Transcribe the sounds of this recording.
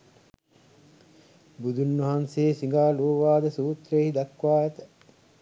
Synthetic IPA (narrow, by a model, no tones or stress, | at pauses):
bud̪ʱunːʋɐɦanseːsiŋɡaːluːʋaːd̪əsuːt̪ɾeːɦid̪ɐkʋaːjət̪ə̥